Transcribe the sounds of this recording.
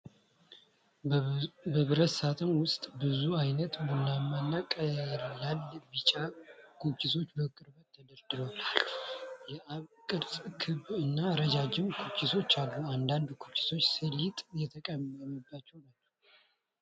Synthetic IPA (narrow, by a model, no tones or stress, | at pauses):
bəβɨɾət̪sat̪ʰʼənwʊst̪ʼbɨzuajnət̪bunːamanːakʼəlalbɨt͡ʃʼakʰokʰːiso̞t͡ʃːbəkʼɨɾbət̪ʰːəd̪əɾd̪ɨloalː | jɛaβkʼɨɾt̪ʼkʰɨβɨnːaɾəd͡ʒad͡ʒɪmkʰokːiso̞t͡ʃːalːuand̪and̪kʰokʰi̥so̞t͡ʃːsəlit̪ʼjɛt̪ʰəkʼəməməbːat͡ʃːɛwnat͡ʃː